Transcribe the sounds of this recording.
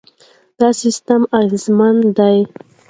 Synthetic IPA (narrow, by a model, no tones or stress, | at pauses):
d̪̥ɑsist̪amaɣizmand̪aj